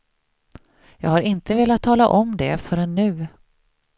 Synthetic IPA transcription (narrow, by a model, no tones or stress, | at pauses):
jɑ̰ːɡhaɾɪnt̪əveːlat̪ʰːɑːla̰ʔɔmd̪ɛfœɾɛnːʉ̟ː